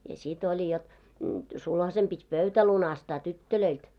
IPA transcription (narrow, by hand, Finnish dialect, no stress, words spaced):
jɑ sit olʲi jot sulhɑsem pitʲ pøytæ lunɑstɑː tytːøløilt